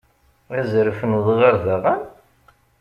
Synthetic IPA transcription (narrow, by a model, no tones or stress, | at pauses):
æzəɾəfənðˤʁaɾðaʁən